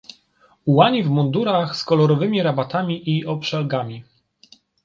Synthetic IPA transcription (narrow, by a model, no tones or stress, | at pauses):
uwaɲivmund̪uɾaxskɔlɔɾɔvɘmʲiɾabat̪amʲiʔiɔpʂɛlɡamʲi